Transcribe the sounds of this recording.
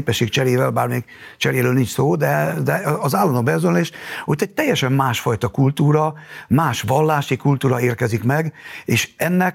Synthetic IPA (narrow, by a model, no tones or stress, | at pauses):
pɛʃːeːkt͡ʃɛɾeːvɛlbaːrmeːɡ | t͡ʃɛɾeːɾøːlnint͡ʃsoːd̪ɛd̪ɛɒzaːlːɔnobɛzonleːʃot̪ːɛɟ̚t̪ɛjːɛʃɛmmaːʃfɒjt̪ɒkult̪uːɾɒmaːʃʋɒlːaːʃikult̪uːɾɒeːrkɛzikmɛɡeːʃɛnːɛk